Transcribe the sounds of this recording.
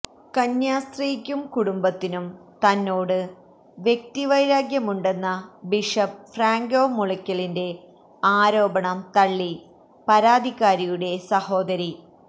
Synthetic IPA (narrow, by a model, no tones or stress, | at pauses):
kɐɲjaːst̪rijkʲːumkuɽumbɐt̪ːinumt̪ɐnːoːɽɨ | ʋje̞k̚t̪iʋɐjɾaːɡjɐmuɳɖe̞nːɐbiʂɐp̚fraːŋɡo̞ːmuɭɐkʲːɐɭinde̞ | aːɾo̞ːbɐɳɐmt̪ɐɭːi | pɐɾaːd̪ʱikːaːɾijuɽe̞sɐho̞ːd̪ɐɾi